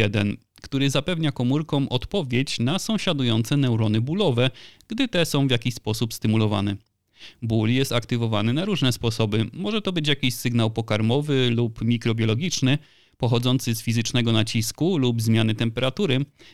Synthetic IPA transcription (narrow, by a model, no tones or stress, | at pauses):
ɛd̪ɛ̰n | kt̪uɾɘzapɛvɲakɔmuɾkɔ̃w̃ʔɔt̪pɔvʲjet͡ɕnasɔ̃w̃ɕad̪ujɔnt̪sɛnɛwɾɔnɘbulɔvɛɡ̥d̪ɘt̪ɛsɔ̃w̃vʲjakʲiɕspɔsupst̪ɘmulɔva̰nɛ | buljɛst̪akt̪ɘvɔvanɘnaɾuʐnɛspɔsɔbɘmɔʐɛt̪ɔbɘt͡ɕjakʲiɕsɘɡnawpɔkaɾmɔvɘlupmʲikɾɔbʲjɔlɔɡʲit͡ʂnɘ | pɔxɔd̪zɔnt̪sɘsfʲizɘt͡ʂnɛɡɔnat͡ɕiskulubzmʲjanɘt̪ɛmpɛɾat̪uɾɘ